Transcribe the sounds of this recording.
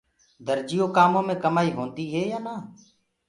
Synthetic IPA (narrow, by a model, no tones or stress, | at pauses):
d̪əɾd͡ʒɪjoːkaːmõːmẽːkəmaːiːɦõːnd̪iːɦeːjaːnaː